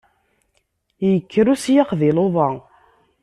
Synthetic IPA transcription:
jəkːəɾusjaqðɪloðˤɑ

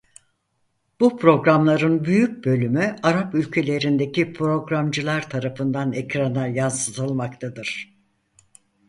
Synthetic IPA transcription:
b̥upʰɾo̞ɡɾamlˠaɾɯnbyjyc̚bø̞lʲymyaɾapylʲcʰe̞lʲe̞ɾind̪e̞cʰipʰɾo̞ɡɾamd͡ʒɯlˠaɾt̪ʰaɾafɯnd̪anɛcɾanajansɯt̪ʰɯlˠmakt̪ʰad̪ɯɾ̥

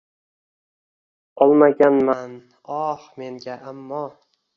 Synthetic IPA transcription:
ɒlˠmaɡʲanman | ɒhme̞ŋɡʲaʔamːɒ

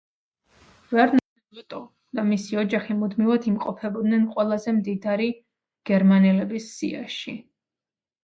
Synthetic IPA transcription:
vɛɾnaɛat̪ʼɔ | d̪̥amisiɔd͡ʒaχimud̪mivad̪ʰimqʼɔpʰɛbɔd̪nɛnqʼwɛlˠazɛmd̪id̪aɾi | ɡ̥ɛɾmanɛlɛbisːḭa̰ʃi

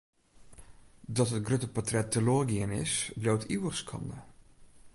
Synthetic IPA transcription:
dɔtɦət̚ɡrøtəpɔtrɛtʰːəloəɡiənɪ̰sblowtʰiwəxskʰɑ̰ndə̰

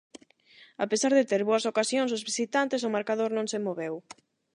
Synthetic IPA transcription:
apesaɾðɪt̪eɾβoɐsokasjõŋsʊzβisit̪ant̪ɪs̬ʊmaɾkaðoɾnõŋsemoβɛw

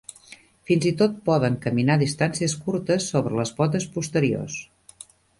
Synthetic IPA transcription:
finzit̪ot̪̚pɔðəŋkəminaðist̪ansiəskuɾt̪əsːoβɾələzβɔt̪əspust̪əɾio̰s

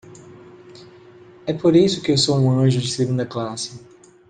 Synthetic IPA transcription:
ɛpoɾisʊkɪewsowũɐ̃ʒʊd͡ʒɪseɡũnd̪ɐklasɪ

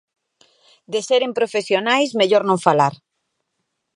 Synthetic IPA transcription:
d̪eseɾempɾofesjonajsmeʎoɾnõɱfalaɾ

